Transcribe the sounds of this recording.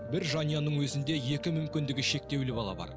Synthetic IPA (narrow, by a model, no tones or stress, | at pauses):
bɪɾʒɑnijɑnəɴwɵzɪnd̪e̞je̞kʲɪmʏmkʲɪnd̪ɪɡʲɪʃe̞k̚t̪e̞wlɪbɑlˠɑ̰bɑ̰ɾ